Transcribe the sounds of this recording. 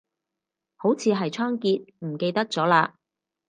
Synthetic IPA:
ho˨˥wt͡sʰiː˨˧ɦɐ˨jt͡ʃʰɔː˥ŋkiː˧t̚m̩˨˩ke˧jt̪ɐ˥k̚t͡sɔː˨˥laː˧

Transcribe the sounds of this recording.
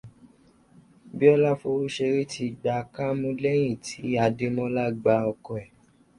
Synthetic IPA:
bi˦ɔ˦la˦fo˧ɾu˦ʃe˧ɾi˦tʰi˧˨ɡ͡ba˨˧ka˦mũ˦lɛ˦j̃ĩ˦˨ti˨˦a˧de˧mɔ̃˦la˦ɡ͡ba˧˦ɔ˧kɔ˨ɛ˨

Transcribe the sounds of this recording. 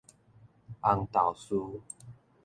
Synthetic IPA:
ʔa˧ŋt̪a˨˩wsu˦

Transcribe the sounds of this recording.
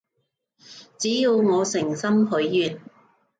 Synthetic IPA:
t͡siː˨˥ji˨˧wŋɔː˨˧sɪ˨˩ŋsɐ˥mɦɵ˨˥ɥːyː˨˩n

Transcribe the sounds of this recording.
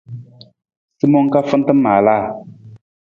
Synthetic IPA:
si˦mɔ˦ŋka˦fɨ˦n˦tɨ˦mːaː˨laː˦˨

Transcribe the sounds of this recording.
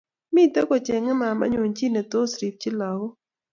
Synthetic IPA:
mɪ˦˨tɛ˦kɔ˨t͡ʃɛ˨ŋɛ˦ma˨ma̰˦ɲo˨ɲt͡ʃi˦ne˨t̪o˦sɾi˨p̚t͡ʃi˦la˨wo˦

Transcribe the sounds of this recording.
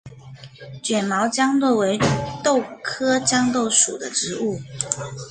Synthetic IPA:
t͡ɕɥɛ˨˩nmɑ˧˥ʊt͡ɕjɑ˥ŋlɔ˥˩we˧˥ɪt̪o˥˨ʊkʰɤ˥t͡ɕjɑ˥ŋt̪o˥˩ʊʂu˨˩d̪ə˦ʈ͡ʂɻ̩˧˥u˥˩

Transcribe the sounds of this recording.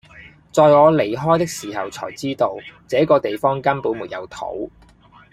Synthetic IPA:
t͡sɔː˧jŋɔː˨˧le˨˩jɦɔː˥jt̪ɪ˥k̚siː˨˩hɐ˨wt͡sʰɔ̰ː˨˩jt͡siː˥t̪o˧wt͡sɛː˨˥kɔː˧t̪e˨jfɔː˥ŋkɐ˥npuː˨˥nmuː˨˩t̚jɐ˨˧wt̪ʰo̰˨˥w

